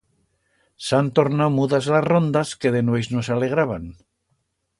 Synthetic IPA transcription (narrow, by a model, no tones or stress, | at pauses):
sant̪o̞ɾnawmuðazlazro̞nd̪aske̞ðenwojznosale̞ɣ̞ɾaβan